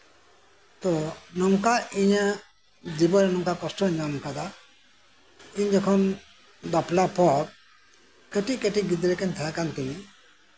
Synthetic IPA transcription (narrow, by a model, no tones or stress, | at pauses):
t̪ɔnɔŋkaiɲa | d͡ʒibɔɾɛnɔŋkakɔsʈɔɲamkad̪a | iɲd͡ʒɛkʰɔn | d̪apʰlapʰɔk̚ | keʈiʔkeʈiɡid̪ɾɛkɛnt̪ʰaakant̪umi